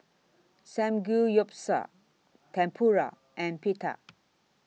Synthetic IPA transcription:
sɛ̃mɡujɔpsa̰ | tʰɛ̃mpʰuɹa̰ | ʔɛ̃npitʰa̰

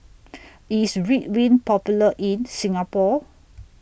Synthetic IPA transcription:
isɹit̚wĩnpɔpjuləʔĩnsĩŋapɔ

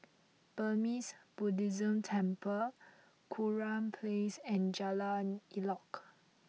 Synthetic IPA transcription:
b̥əmisb̥udizə̃mtʰɛ̃mpʰə | kʰuɹãmpʰlesɛ̃nd͡ʒalanilɔk

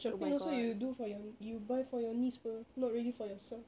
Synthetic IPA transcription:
ʃɔpĩnosojudufɔjɔjubaɪfɔjɔnispənɔt̚ɹɛdifɔjɔsɛlf

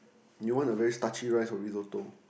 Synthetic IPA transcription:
juwɔ̃nəvɛɹistat͡ʃiɹaɪsfɔɹizoto

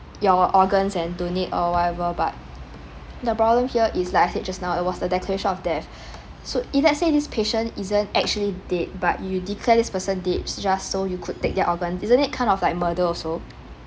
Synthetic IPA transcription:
jɔʔɔɡə̃nsɛ̃ndonitɔwɔtɛvəba̰t̚ | dəpɹɔblə̃mhiəʔislaɪkaɪset̚d͡ʒasnaʊɛt̚wɔsdədɛkləɹeʃə̃nɔfdɛf | soilɛtsedispʰeʃə̃nizə̃ntɛk̚t͡ʃuəlidet̚ba̰ʔ̚judikʰlɛdispəsə̃ndet̚d͡ʒasːojukʰud̚tek̚dɛʔɔɡə̃nsizə̃nit̚kʰãɪ̃ndɔflaɪk̚mədəɔso

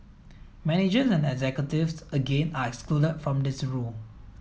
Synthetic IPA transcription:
mɛnɪd͡ʒəsɛ̃nɛɡzɛkjətɪvsəɡẽnaɛkskludədfɹɔ̃mdɪsɹul

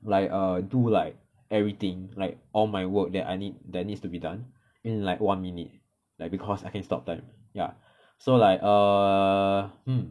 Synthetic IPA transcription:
laɪkədulaɪk̚ | ɛvɹit̪ĩŋlaɪk̚ʔɔlmaɪwək̚dɛta̰jnit̚dɛt̚nitstubidãn | ĩnlaɪkwãnminit̚ | laɪjk̚bikʰɔsaɪkɛ̃nstɔ̰p̚tãɪ̃m | ja̰ | solaɪkə | hm̩

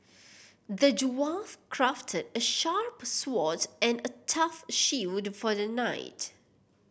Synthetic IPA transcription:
d̪əd͡ʒwafkʰɹaftʰədəʃaɹpswɔtɛ̃nətʰʌfʃidfɔðənaɪt

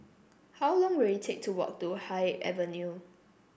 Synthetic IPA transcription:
hawlɔ̃ŋwiljitʰek̚tʰuwɔ̰k̚tuhaɪʔɛ̰vənju

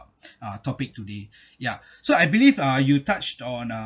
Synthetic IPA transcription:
ʌtʰɔpɪk̚tude | ja | soajbilivʌjutat͡ʃtɔ̃na

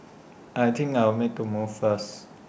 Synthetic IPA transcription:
ʔajt̪ʰɪ̃ŋkaɪwmek̚tʰumuvfəs

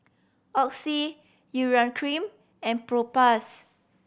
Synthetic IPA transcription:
ʔɔksi | juɹãnkʰɹĩm | ɛ̃npɹopas

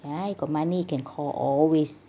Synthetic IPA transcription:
ajkɔmanikʰɛnkʰɔːlʔɔ̰lwes

